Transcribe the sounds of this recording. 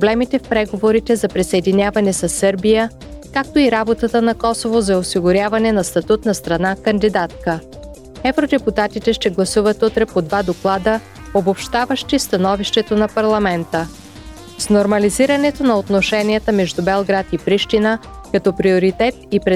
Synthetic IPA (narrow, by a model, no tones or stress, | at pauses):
pɾoblɛmit̪ɛfpɾɛɡovoɾit̪ɛzɐpɾisɐɛd̪inʲavɐnɛsɐsːɤɾbijə | kak̚t̪oiɾabot̪ət̪ənɐkɔsovozɐosiɡʊɾʲjavɐnɛnɐst̪ɐt̪ut̪nɐst̪ɾɐnakɐnd̪id̪at̪̚kə | ɛvɾod̪ɛput̪at̪it̪ɛʃt̪ɛɡlˠɐsuvət̪ut̪ɾɛpod̪vad̪oklˠad̪ə | obopʃt̪avəʃt̪ist̪ɐnɔviʃt̪ɛt̪onɐpɐɾlˠɐmɛnt̪ə | snoɾmɐliziɾɐnɛt̪onɐot̪noʃɛnijət̪əmɛʒd̪ubɛlˠɡɾat̪ipɾiʃt̪inə | kɐt̪ɔpɾioɾit̪ɛt̪̚ipɾɛ